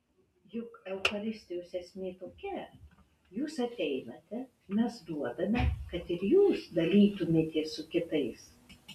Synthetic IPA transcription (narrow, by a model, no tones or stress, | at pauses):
jʊkɛʊxɐlʲɪsʲt̪ʲɪjuːsʲɛsʲmʲeːt̪oːkʲɛ | juːsɐt̪ʲɛɪnɐt̪ʲɛ | mʲɛsd̪uɔd̪ɐmʲɛkɐt̪ɪɾjuːsd̪ɐlʲiːt̪ʊmʲeːt̪ʲeːssʊkʲɪt̪ɐɪs